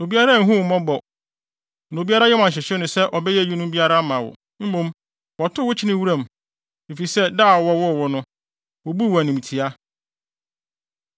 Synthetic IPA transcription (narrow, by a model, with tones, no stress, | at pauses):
no˨bi˦a˦ɾa˦˨˦ɦũ˦˨mɔ̃˦bɔ˨ | n˨o˨bi˦a˦ɾa˦jɛ˦mã˨ɕ̬ɪ˨ɕᶣɪ˦nʊ̃˨sɛ˦ʔɔ˨bɛ˦jɛ˦˨ju˦nʊ̃˦m˦bi˦a˦ɾa˦mã˨wɔ̰˨ | m̩˦mõ˦m | wɔ˨tʰʊ˦wʊ˦t͡ɕʰɪ˦nɪ̃˦wu˦ɾã˦˨m˨ | e˨fi˨i˨sɛ˦daː˦˨ɔ˨wɔ˦wɔ˦˨wɔ˦nʊ̃˦ | wɔ˨bu˦wæ˨nũ˨m˨tʰi˨a˦